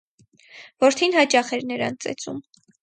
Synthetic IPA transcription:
vɔɾt̪ʰinhɑt͡ʃɑχɛɾnəɾɑ̰nt͡sɛ̰t͡sum

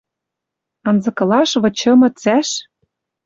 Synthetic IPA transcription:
ɤ̆nzɤ̆kɤ̆lɑʃβɤ̆t͡ɕɤ̆mɤ̆t͡sæʃ

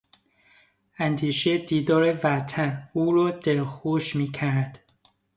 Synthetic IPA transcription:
ænd̪iːʃed̪iːd̪ɒːɾevæt̪ʰænuːɾɒːd̪̥elxoʃmiːcʰæɾd̪̥

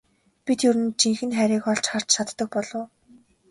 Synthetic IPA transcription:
pit̪jɵɾɘ̆nt͡ɕʰiŋxɘ̆nχæɾʲiːkɔɮt͡ɕχar̥t͡ɕʃʰat̪ːə̆k̚pɔɮʊː

